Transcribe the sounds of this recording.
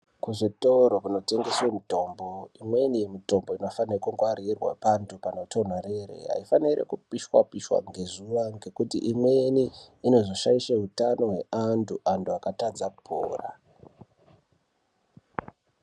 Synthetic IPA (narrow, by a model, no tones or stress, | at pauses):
kuʐitoɾopano̞te̞ŋɡe̞swemito̞mbo̞imwe̞nije̞mito̞mbo̞ino̞fanrekuŋɡwaɾirwa̰pantʰupanotʰon̤aɾeɾḛɦa̰ifaniɾḛkupiʃwa̰piʃwa̰ŋɡe̞zuʋaŋɡe̞kutḭʔimwe̞niːno̞zo̞ʃaiʃeɦutano̞ɦeʔantʰuʔantʰuakatad͡zapʰo̰ːra̰